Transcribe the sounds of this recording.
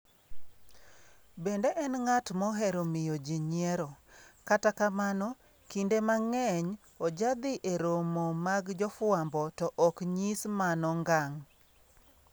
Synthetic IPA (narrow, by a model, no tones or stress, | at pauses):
bendeʔɛnŋatmɔɦɛɾomɪjod͡ʒiɲɛɾɔkatakamanɔ | kindemaŋɛɲ | ɔd͡ʒad̪ɪʔeɾomomaɡd͡ʒɔfwambɔtɔʔɔkɲismanɔŋɡaŋ